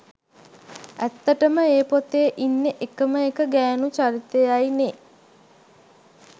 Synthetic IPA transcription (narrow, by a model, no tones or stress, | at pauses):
æt̪ːəʈəməeːpot̪eːʔinːeʔekəməekəɡæːnut͡ʃaɾit̪ejajne